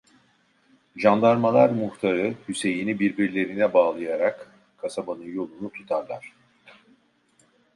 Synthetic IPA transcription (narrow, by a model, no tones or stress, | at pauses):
ʒand̪aɾmalˠaɾmuxt̪ʰaɾɯhyse̞jinibiɾbiɾlʲe̞ɾinɛbaːlˠɯjaɾak | kʰːasabanɯnjo̞lˠunut̪ʰu̥t̪ʰaɾlˠaɾ̝̥